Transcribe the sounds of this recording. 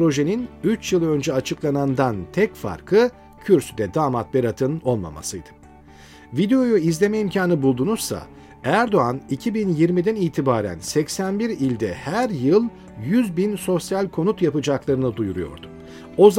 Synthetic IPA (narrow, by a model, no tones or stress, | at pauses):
pɾo̞ʒe̞ninyt͡ʃjɯlˠø̞nd͡ʒɛat͡ʃʰɯklˠanand̪ant̪ʰɛcfa̰ɾkʰɯ | cʰyɾsyd̪ɛd̪aːmat̪̚bɛɾat̪ʰɯno̞lˠma̰ma̰sɯjd̪ɯ̥ | vid̪e̞o̞juizlʲe̞mɛimcʰaːnɯbulˠd̪unuz̥sa̰ | æɾd̪o̞anicʰibinjiɾmid̪æniːt̪ʰibaːɾæ̰nsɛcsænbiɾilʲd̪ɛhæɾjɯlˠ | jyzbinso̞sjalʲkʰo̞nut̪japɯd͡ʒaklˠaɾɯnɯd̪ujuɾujo̞̰ɾd̪u | o̞z